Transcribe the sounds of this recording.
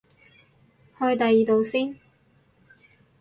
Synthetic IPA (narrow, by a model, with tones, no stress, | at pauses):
hɔː˧jt̪ɐ˨jːiː˨t̪o˨wsiː˥n